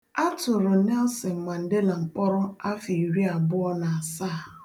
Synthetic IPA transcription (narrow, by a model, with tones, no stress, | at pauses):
a˦tʊ˨ɾʊ˨nɛ˦lsɪ˨ŋ͡m̩˨ma˨n̩˨dɪ˦la˨ŋ͡m̩˨k͡pɔ˦ɾʊ˦a˦fi˨ɾi˦a˨bʊ˦ɔ˦na˨a˨sa˦˨